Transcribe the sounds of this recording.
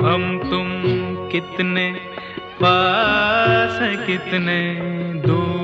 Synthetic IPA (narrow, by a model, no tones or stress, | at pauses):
ɦɐmt̪ʊmkɪt̪ne | paː | sekɪt̪ned̪uː